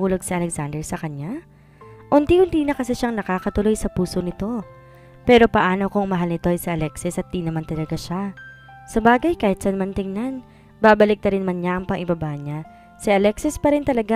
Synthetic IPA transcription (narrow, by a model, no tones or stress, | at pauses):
uːloɡ̚sɪʔɐlɛksand̪ɛɹsɐkɐɲa | ʔʊnt̪ihʊnt̪iːnɐkɐsɛʃaŋnɐkaːkɐt̪ʊlo̞jsɐpuːso̞nɪt̪o̞ | pɛːɾo̞pɐʔaːno̞kʊŋmɐɦalnɪt̪o̞ʔɐjsɪʔɐlɛksɪsʔɐt̪̚d̪iːnɐmant̪ɐlɐɡaʃa | sɐbaːɡɐjkaːhɪt̪sɐnɐmant̪ɪŋnan | baːbɐlɪk̚t̪ɐɾɪnmɐnɲaʔɐŋpɐŋʔɪbɐbaɲa | sɪʔɐlɛksɪspɐɾɪnt̪ɐlɐɡa